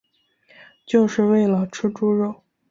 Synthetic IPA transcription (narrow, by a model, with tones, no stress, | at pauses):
t͡ɕjo˥˧ʊʂɻ̩˥˧we˥˩ɪlə˩ʈ͡ʂ̩ʰ˥ʈ͡ʂu˥ɻo˥˩ʊ